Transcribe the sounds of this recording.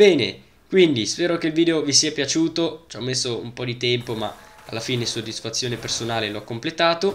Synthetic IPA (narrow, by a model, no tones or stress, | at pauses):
bɛːne | kwind̪ispɛːɾok̟eilviːd̪eovisiapjat͡ʃuːt̪ot͡ʃɔmːesːoṵmpɔd̪it̪ɛmpoma̰ | alːafiːnesoad̪isfat̪sːjoːnepersonaːleloakːomplet̪aːt̪o